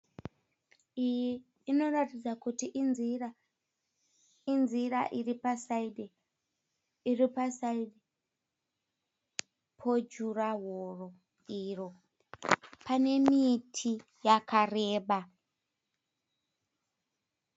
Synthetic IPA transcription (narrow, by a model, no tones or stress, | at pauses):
ijiː | no̞ratid͡zakutiʔnia | inziraʔiripasaide | iripasaiɗe | pʰo̞d͡ʒuraɦoro̞ | iːro̞ | pane̞mitʰi | jakare̞ːɓa